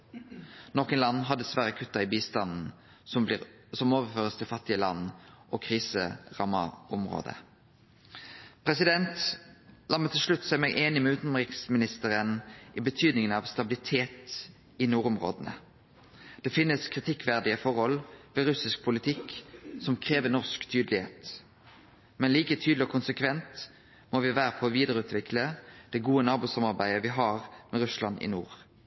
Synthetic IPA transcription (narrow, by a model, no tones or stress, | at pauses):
noːkənlɑnːɦɑd̪ɛsʋæʁəkʰʉt̪ːɑɪbiːst̪ɑnn̩ | sɔmoːʋəʁføːʁəst̪ʰɪlfɑt̪ːɪəlɑ̰nːʔɔːkʰʁiːsə̰ʁɑmːɑ̰ɔmʁo̰ːd̪ə̰ | pʰʁɛsɪd̪ɛnt̪lɑmːət̪ʰɪlʂlʉt̪ːsɔæʁmɛɡʔeːnɪmɛʉːt̪nɔmʁɪksmɪnɪst̪əʁənʔibət̪ʰyːd̪nɪŋənɑʋst̪ɑbɪlɪt̪ʰeːt̪ | ɪnuːʁʊmʁo̰ːd̪ənə̰ | d̪̥ɛfɪnːəskʰʁɪt̪ʰɪkːʋæʁd̪ɪəfɔɾhɔlʋɪlɾʉsɪsk̚pʰʊlɪt̪ʰɪksɔmkʰʁeːʋənɔʁskt̪ʰyːd̪lɪhḛːt̪ | mɛnliːkət̪ʰyːd̪lɪɔkʰʊnsəkʰʋɛnt̪ | moʋɪʋæːɾəpʰɔːʋiːd̪əʁəʉːt̪ʰʋɪkʰləd̪̥ɛɡuːənɑːbuːsɑmɑʁbæɪəʋɪɦɑːʁmɛɾʉslɑnɪ̰nṵːʁ